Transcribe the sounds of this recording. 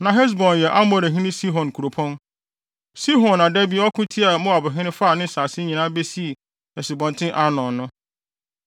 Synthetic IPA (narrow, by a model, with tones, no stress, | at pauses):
nã˨ɦɛ˦s̬bɔ̃˨njɛ˨ʔa˦mɔ̃˨ɾɛ˨ɦĩ˦nɪ̃˦si˦ɦɔ̃˨n˨kʰu˨ɾo˨pʰɔ̃˦n | si˦ɦɔ̃˨na˨dɛ˦bi˨ɔ˦kʰʊ̃˦tʰi˦a˨mʊ̃˦a˨bʊ˨ɦɪ̃˦nɪ̃˦fa˦˨nɪ̃˦saː˨sɪ˦ɲĩ˨nã˦be˦si˦˨ | hɛ˨sɪ˨bɔ̃˨ntʰɪ̃˦ʔa˦nɔ̃˨nʊ̃˦